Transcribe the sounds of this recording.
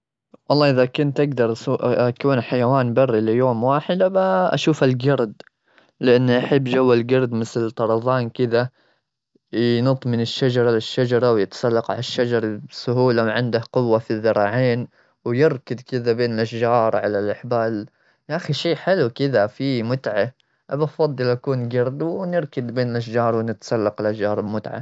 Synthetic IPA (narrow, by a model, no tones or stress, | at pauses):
wɑlˤːɑːʔɪðakʊnt̪ʔaɡd̪ɑɾˤuʔakuːnħajawaːnbɑrːilɪjoːmwaːħɪd̪baʔa̰ʃuːfalɡɑɾˤd̪ | lɪʔanːiʔaħabːd͡ʒawːalɡɑɾˤd̪mɪθlt̪ˤɑɾˤɑðˤɑːnkɪða | jnɑt̪ˤmɪnɪʃːad͡ʒɑɾˤɑlɪʃːad͡ʒɑɾˤɑwjɪt̪sˤɑlːɑqʕa̰laʃːad͡ʒɑɾˤsʊɦuːlawʕɪnd̪ahqʊwːafiðːɑɾˤɑːʕeːn | wjɪɾkɪd̪kɪðabeːnɪlʔaʃd͡ʒɑːɾˤʕalalʔaħbaːl | ʔaxiʃiːħɪlukɪðafimʊt̪ʕa | ʔabɑfɑd̪ˤːɨlʔakuːnɡɑɾˤd̪wnɪɾkɪd̪beːnɪlʔaʃ̬d͡ʒɑːɾˤwnɪt̪sˤɑlːɑqɪlʔaʃd͡ʒɑːɾˤɪbmʊt̪ʕa̰